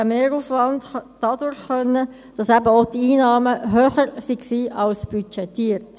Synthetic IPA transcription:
æmeːɾuːfvɑndɑd̥ɑdʊɾχχœnːə | d̥ɑsæbəodiiːnɑːməɦøːχəɾsiksiːʔɑlsb̥yt͡ʃɛtiːɾt

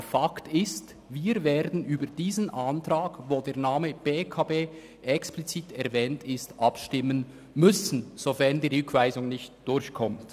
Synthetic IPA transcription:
faktɪst | viːɾveːɾdn̩ʔyːbəd̥iːzən̩ʔantʁaːɡvoːdeːɐʁnaːməb̥eːkʰaːbeː | ʔɛksplit͡siːtʰɛʁvɛːntʰɪstʔɑpʃtɪmən | mʏsn̩z̥ofɛʁndiːʁʏkʰv̥aɪzʊŋnɪçtd̥ʊɾçkʰɔmt

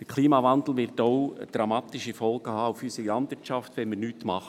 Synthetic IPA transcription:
d̥əkʰliːmɑvɑnd̪l̩ˠʋɪɾtoʊd̥ɾɑmɑːt̪ɪʃifɔlˠɡ̥əhɑːʊfysəilɑndvɪrtt͡ʃɑftʋɛnməɾnyːtmɑχ

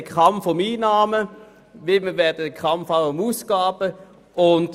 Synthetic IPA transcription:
əkʰχɑmfʊmiːnaːmə | vɪlməvɛɐdədəkʰɑmfaʊʊmuːsɡ̥aːb̥ə | ʔʊnt

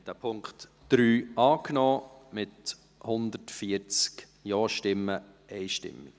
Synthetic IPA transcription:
td̥æːpʰʊŋkχt | d̥ɾyːɑːknɔːmɪt | hʊnd̪ətfiəɾt͡sk | jɔːʃtɪmːə | ɛɪjʃtɪ̰mːḭ

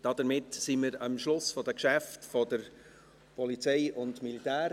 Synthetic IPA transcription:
d̥ɑd̥əɾmɪtsiməɾɑmʃlʊsfɔd̥əkʃæftfɔdəɾ | pʰɔlit͡sɛɪʊndmilitæːɾ

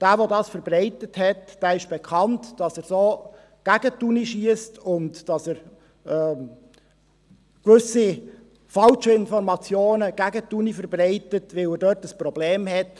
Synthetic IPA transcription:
d̥æːʋodɑːsfəɾbrɛɪtəthɛtd̥æːɪʃb̥ɛkʰɑntd̥ɑsæːɾsoː | ɡ̥æɡətːuniʃiəstʊntd̥ɑsəɾ | ɛː | kʋʏsi | fɑlʃəɪnfɔɾmɑt͡sjoːnəɡ̥æɡətunifəɾbrɛɪtətʋɪlədœːtəspɾɔbleːmhɛt

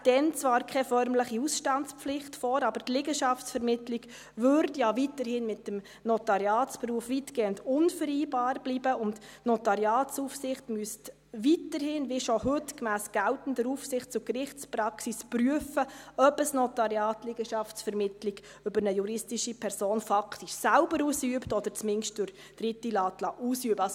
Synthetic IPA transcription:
d̥ɛnt͡svɑːɾkʰɛfœɾmləχiusʃtɑntt͡spflɪχtfɔːɾɑb̥əɾtlɪɡəʃɑftsfɛɾmɪtliɡ | ʋʏɾdjaʋitəɾhɪnmɪt̚ːəm | nɔtɑɾjɑːtspruəfʋitɡ̥eːəndʊnfəɾiːbɑːɾbliːbəʊntnɔtɑɾjɑːtsufsɪχtmyəst | ʋitəɾhɪnʋɪʃɔhʏtkmæːsɡ̥æltn̩dəɾuːfsɪχtt͡sʊkɾɪχtt͡spɾɑksispɾyəfəœbəsnɔtɑɾjɑːtlɪɡ̥əʃɑftsfɛɾmɪtlɪɡ | ʏbəɾnəjuɾɪstiʃipʰɛɾsoːnfɑktiʃsælbəɾuːsyəptɔd̥̪əɾt͡smɪnʃt̚d̥ʊɾ | d̥ɾɪtːilɑːtlɑʔuːsyəbəɑ

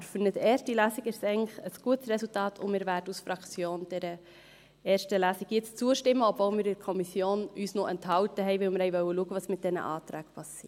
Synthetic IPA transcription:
fynətɛːʃtilæːsiɡɪɾsɛɪŋləχəsɡ̥uətsrɛsultɑːtʰʊ̰nmɪːɾvæːɾdəusfɾɑkt͡sjoːnd̥ɛɾə | ɛːʃtəlæːsiɡjɪt͡st͡suəʃtɪmːəɔb̥volmɪːɾɪɾkʰɔmisjoːnyːsnoʔɛnthɑltəɦɛɪʋɪlmɪɾɛɪʋœwːəluəɡəvɑsmɪt̚d̥ɛnə̰ʔɑ̰ːt̪ɾæːkpʰɑsiːt

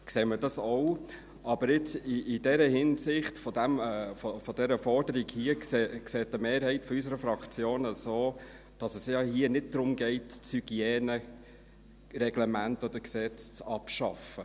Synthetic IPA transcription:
kseːmədɑsow | ʔɑb̥əɾɪt͡siːdɛɾəhɪnsɪχtfɔdæmːfɔfɔd̥ɛɾəfɔɾd̥əɾiɡhiəkseːksɛːtəmeːɾhɛɪtfɔys̬əɾəfɾɑkt͡sjoːnəsoː | d̥ɑsəsjɑhiənɪd̚d̥ɾʊmɡɛɪtt͡shyɡ̥iɛːnə | rɛɡ̥lɛmæntɔd̪̥əɾksɛt͡st͡sɑpʃɑ̰fə

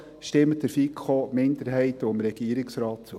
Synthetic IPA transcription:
ʃtɪmət̚d̥əɾfikχomɪndəɾɦɛɪtoɪmɾɛɡ̥iːəɾɪksɾɑːt̚t͡su

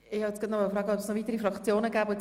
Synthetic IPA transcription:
ɪhɑɛt͡sɡ̥ɑt̪nɔmɑlfɾɑːɡəɔpsnɔvit̪əɾifɾɑkt͡sjoːnəɡæːbot͡s

